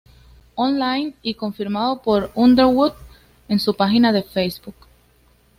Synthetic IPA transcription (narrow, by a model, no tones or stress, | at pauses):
onlajniko̞ɱfiɾmaðo̞po̞ɾund̪eɾwud̪̚ | e̞nsupaxinaðe̞fejsbuk